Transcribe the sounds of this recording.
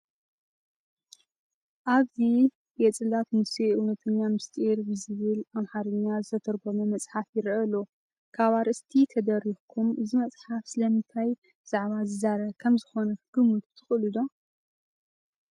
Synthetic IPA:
ʔaβzi | bɛt͡sʼɨlat̪mɨsiʔɨwnɐt̪ʰɨɲːamɨst̪ʼiɾbɨzɨβɨlʔamħaɾɨɲːazɨt̪ʰɐt̪ʰɐɾɡomomɐt͡sʼħafjɪɾʔɐlo | kʰaβaɾʔɨst̪ʰit̪ʰɐd̪ɐɾixkʰumɨzimɐt͡sʼħafsɨlɐmɨnt̪ʰaj | bɨz̥aʕβazɨzaɾɐkʰɐmzɨxo̞nɐɡ̥ɨmut̪t̪ʰɨxʼɨlɨd̪o̞

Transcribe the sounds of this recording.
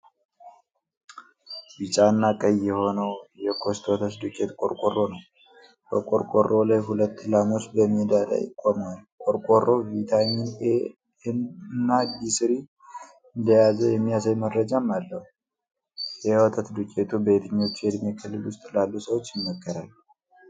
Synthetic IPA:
bit͡ʃʼanːakʼəjːɛho̞nəwjɛkʰo̞st̪ʰwɔt̪ʰət̪d̪ukʼet̪kʼoɾkʼorːo̞nəw | bəkʼoɾkʼorʔo̞lajɦulət̪ːlamo̞t͡ʃːbəmːid̪ad̪a̰jɪ̰kʼːomwalkʼoɾkʼorʔo̞vit̪ʰaɲːɪne | nːaɡisɨɾi | ɨnd̪əjazəjɛmːijasajmədɾəd͡ʒamalːəhu | jɛwɔt̪ʰət̪d̪ukʼe̞t̪ʰube̞t̪ʰɨɲːo̞t͡ʃːɛd̪mekʰɨlːɨlwʊst̪ʼlalːusəwot͡ʃːjɪnːəkːəɾalː

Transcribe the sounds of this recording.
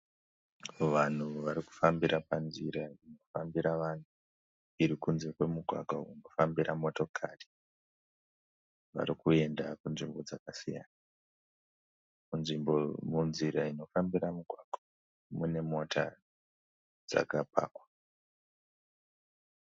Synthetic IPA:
ʋan̤uʋaɾiku̥fambiɾapanziɾaino̞fambiɾaʋan̤u | iɾikunze̞kwe̞muɡʱwa̰ɡʱauno̞fambiɾamo̞to̞kʰari̥ | ʋa̰ɾikue̞ndakunʐimbo̞d͡zakasija̰na | munʐimbo̞munziɾaino̞fambiɾamuɡʱwaɡ̥ʱa | mune̞mo̞tʰa̰ | d͡za̰kapa̰ːkwa

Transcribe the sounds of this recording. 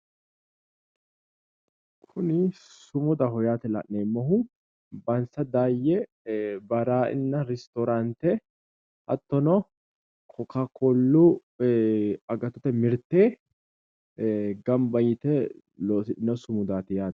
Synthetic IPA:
kʰʊnɪssʊmʊd̪ɐɦɔjaːt̪ɛlɐ̰ʔneːmːɔhʊ | bɐnsɐd̪aːjːɛ | bɐɾaːɪ̰nːɐɾɛst̪ɔɾant̪ɛ | ʔɐ̰t̪ːɔnɔ | kʰɔkakʰɔlːu | ɐɡɐt̪ːɔ̥t̪ɛmɪɾt̪eː | ɡɐmbɐjɪt̪ɛ | loːsɪᶑɪnɔsʊmʊd̪aːt̪ɪjaːt̪

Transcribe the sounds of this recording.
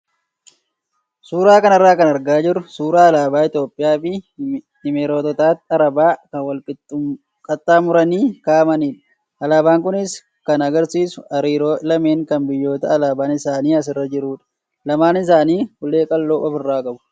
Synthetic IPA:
suːɾaːkɐnɐrːaːkɐnɐɾɡaːd͡ʒɪɾʊsuːɾaːɐlaːbaːɪt̪jo̞ːpʼːɪjaːfɪ | ɪmeːɾoːt̪ɔt̪aːt̪ɐɾɐbaːkɐnwɐlkʼɪ | kʼɐt̪ʼːaːmʊɾɐniːkaːmɐniːᶑɐ̥ | ʔɐlaːbaːŋkʊnɪs | kɐnɐɡɐɾsiːsʊ̥ɐɾiːɾolɐme̞ːŋkɐnbɪjːo̞ːt̪ɐːlaːbaːnɪsaːniːɐs̬ɪrːɐd͡ʒɪɾuːᶑɐ̥ | lɐmaːnɪs̬aːniːhʊle̞ːkʼɐlːo̞ːʔɔfɪrːaːkʼɐbʊ̥

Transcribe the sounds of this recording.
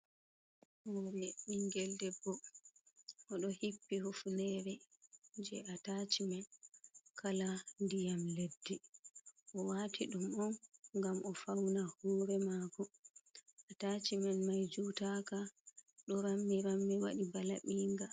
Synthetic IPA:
hɔɾɛɓiŋɡɛldɛbːɔ | ʔɔɗɔhipːihufunɛɾɛd͡ʒɛʔatat͡ʃimɛnkʰalandijamledːi | ʔɔwatʰiɗumɔnŋɡamɔfawnahuːɾɛmaːkɔ | ʔatat͡ʃimɛnmajd͡ʒuːtakaɗɔɾamːiɾamːiwaɗibalaɓiːŋɡa

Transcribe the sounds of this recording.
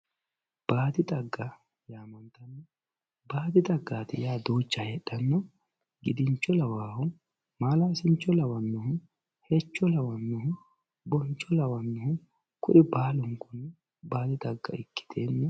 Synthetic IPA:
b̥aːt̪ɪt̪ʼɐɡːɐ | jaːmɐnt̪ɐnːɔ | baːt̪ɪt̪ʼɐɡːaːt̪ɪjaːd̪oːt͡ʃːɐhɛɗɐnːɔ | ɡɪd̪ɪnt͡ʃːɔlɐwaːhʊ | maːlɐɪsɪnt͡ʃːɔlɐwɐnːɔɦʊ | hɛt͡ʃːɔlɐwɐnːɔɦʊ | bɔnt͡ʃːɔlɐwɐnːɔhʊ | kʊʔɪbaːlɔŋkɔnːɛ | baːt̪ɪt̪ʼɐɡːɐ̰ɪkːɪ̥t̪ʰeːnːɔ

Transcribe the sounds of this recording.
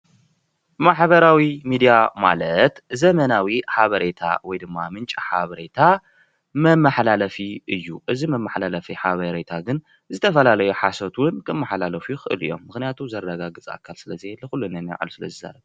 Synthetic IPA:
maħβɐɾawimid̪ijama̰lɐt̪zɐmɐnawiħaβɐɾe̞t̪ʰa̰wɔjd̪ɨmːamɨnt͡ʃʼiħaβɐɾe̞t̪ʰa | mɐmːaħlalɐfiʔɨjːuʔɨzimɐmːaħlalɐfiħaβɐɾet̪ʰaɡɨn | zɨt̪ʰɐfɐlalɐjuħasot̪wʊnkʰɨmːaħlalɐfujuxɨʔɨ̰lɨ̰jo̞̰mːɨxnijat̪ʰuzɐɾɐdaɡaɡɨt͡sʼa̰kʰːalsɨlɐziɛlːɨxulːunɐnj̰ʕa̰lusɨlɐ̰zɨza̰ɾɐb

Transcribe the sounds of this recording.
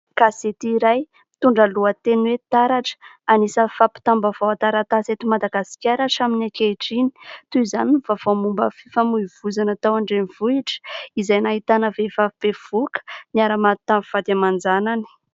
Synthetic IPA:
kaset̪iːɾaj | t̪uɳɖ͡ʐaluət̪enwet̪aɾaʈ͡ʂə̥ | anisəfapi̥t̪ambavawat̪aɾat̪aset̪imad̪aɡasi̥kʲaɾaʈ͡ʂaminakeʈ͡ʂini̥t̪uizaninuvav̥amumbəfifamuiv̥uzanət̪awaɳɖ͡ʐeniv̥uiʈ͡ʂə̥izajnaɦit̪anəvefav̥ev̥ukə̥niaɾamat̪amv̥ad̪amand͡zanani̥

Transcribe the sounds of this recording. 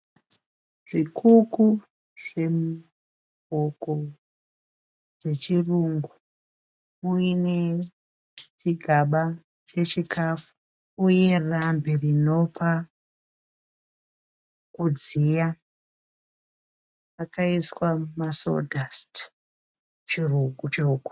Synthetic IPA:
ʐ̥ikʰuku | ʐ̥e̞m | oko | ʐe̞t͡ʃiruŋɡu | uine | t͡ʃiɡʱaɓa | t͡ʃe̞t͡ʃikʰafu̥ | uje̞ramberino̞pa | kud͡zija | kʰaiswamaso̰dʱast | t͡ʃiruŋɡut͡ʃokwḁ

